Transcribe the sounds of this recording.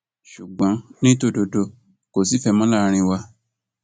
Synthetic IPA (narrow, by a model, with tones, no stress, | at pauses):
ʃu˨ɡ͡bɔ̃˨˦nĩ˦to˦˨do˧do˧ | ko˨si˨˦fɛ˧mɔ̃˦la˦˨˧ɾ̃ĩ˧wa˧